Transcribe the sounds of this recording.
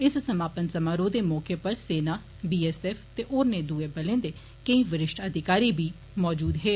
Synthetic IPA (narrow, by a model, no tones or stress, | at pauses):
ɪssəmaːpənsəmãːɾoːd̪eːmɔːkeːpəɾseːnaː | biːɛːsɛːfʰt̪eːʔoːɾneːd̪uːeːbəlẽːnd̪eː | kəĩːʋɪɾɪʃʈəd̪ʱɪkaːɾiːbʱiː | mɔːd͡ʒuːd̪ɦeː